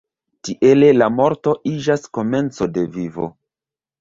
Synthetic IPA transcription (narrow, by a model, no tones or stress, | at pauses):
tiʔe̞le̞lamo̞ɾto̞ʔid͡ʒasko̞me̞nt͡so̞de̞vivo̞̰